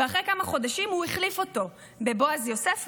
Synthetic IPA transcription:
eaχʁekamaχo̞daʃimhuiχlifo̞to̞ | be̞bo̞azjo̞sef

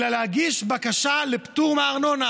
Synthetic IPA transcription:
laleaɡiʃbakaʃalept̪uʁmaʁnona

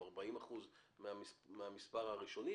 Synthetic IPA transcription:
aʁbaimaχuzmeameamispaʁhaʁiʃo̞ni

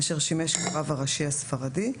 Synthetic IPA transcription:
ʃeʁʃimeʃkaʁavaʁaʃiasfaʁadi

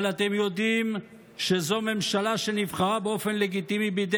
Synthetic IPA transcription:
lat̪e̞mjod̪im | ʃezo̞me̞mʃalaʃe̞nivχaʁabeo̞fe̞nleɡit̪imibid̪

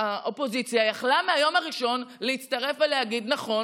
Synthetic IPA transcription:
haʔopo̞zit͡sjajaχlameajo̞maʁiʃo̞nleitt͡stɐʁe̞fveleaɡid̪naχo̞

